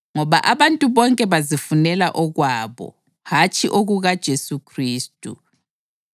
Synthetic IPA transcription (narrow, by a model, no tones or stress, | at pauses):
ŋɔβaʔaβantʼuβɔŋkʼɛβazifunɛlaʔɔɣwaːβɔ̰ | hat͡ʃʼiʔoɣuɣad̥ʒ̥ʱesukʰriːstʼṵ